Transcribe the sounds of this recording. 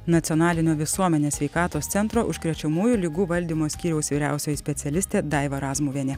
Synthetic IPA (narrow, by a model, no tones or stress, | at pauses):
nɐt̪sʲɔnɑːlʲɪnʲoːʋʲɪsuɔmʲɛnʲeːsʲʋʲɛɪkɑːt̪oːst̪sʲɛnt̪ɾoːʔʊʃʲkɾʲɛt͡ʃʲɛmuːjulʲɪɡuːʋɐlʲd̪ʲiːmoːsʲkʲiːɾʲɛʊsʋʲiːɾʲæ̰ˑʊsʲoːjɛsʲpʲɛt̪sʲɛlʲɪsʲt̪ʲeːd̪ɑˑɪʋɐɾɑːzmuːʋʲɛnʲɛ